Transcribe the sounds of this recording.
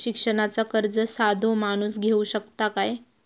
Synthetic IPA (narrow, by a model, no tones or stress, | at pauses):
ɕikʂəɳ̃at͡sakəɾd͡zəsad̪ʱomañuːsɡʱeuɕəkt̪akaj